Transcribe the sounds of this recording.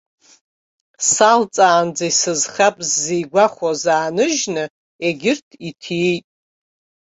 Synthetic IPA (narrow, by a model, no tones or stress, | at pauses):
salt͡sʼaːnd͡zaisɨzχapʼzːijɡʷaχʷazaːnɨʒnɨ | eɡʲɪrtʰitʰiejtʼ